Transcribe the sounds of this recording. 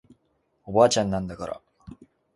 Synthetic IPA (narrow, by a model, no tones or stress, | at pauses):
obaːt͡ɕãnːãnd̪akaɾa̰